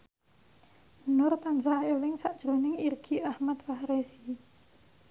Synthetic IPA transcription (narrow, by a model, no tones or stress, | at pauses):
nʊrt̪ansaelɪŋsaʔd̥ʒ̥ɾonɪŋirɡ̥iahmat̪̚fahɾesi